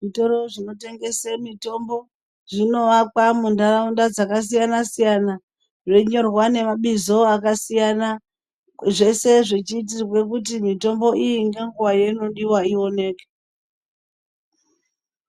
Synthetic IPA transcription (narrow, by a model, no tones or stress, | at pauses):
ʐito̞ɾo̞ʐino̞te̞ŋɡe̞semito̞mbo̞ | ʐino̞ʋakwamundaraundad͡zakas̬ijanasijana | ʐe̞ɲo̞rwane̞maɓizo̞akasijana | ʐe̞se̞ʐet͡ʃiːt̬irwe̞kut̬imito̞mbo̞ʔijiŋɡe̞ŋɡuʋajeno̞ɗiwaio̞ne̞ːke̥